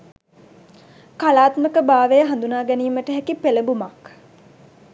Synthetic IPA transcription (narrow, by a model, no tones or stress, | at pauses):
kalaːt̪məkəbaːʋejəɦand̪unaːɡæniːməʈəɦækipeləbumɐk